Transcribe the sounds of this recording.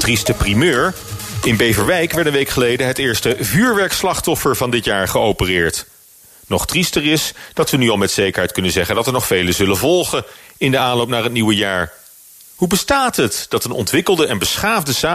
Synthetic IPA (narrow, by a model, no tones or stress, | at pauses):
tristəprimøːɹ | ɪnbejvəɹʋɛjkʋɛɹtənʋejkχəlejdəɦətɪːɹstəvyːɹʋɛɹkslɑχtɔfəɹvɑndɪtjaːɹχəowpərɪːɹt | nɔχtristərɪsd̥ɑtʋənyɑlˠmɛtsejkəɹɦɛjt̚kɵnənzɛχəndɑtəɹnɔχfejləzɵlənvɔlˠχəɪndəaːnlowp̚naːrɦət̚niʋəjaːɹ | ɦubəstaːtɦətd̥ɑtənʔɔ̰ntʋɪkəlˠdəɛnbəsχaːvdəsaː